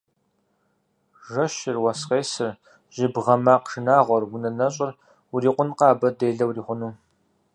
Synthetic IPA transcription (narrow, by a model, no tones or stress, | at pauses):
ʒɐʃɪrwɐsqeːsɨr | ʑ̥ɪbʁɐmaːqʂɨnaːʁʷɔrwʊnɐnɐɕʼɪr | wuriːqʷʊnqɑːbɐdeːɮɐwriːχʷʊnuː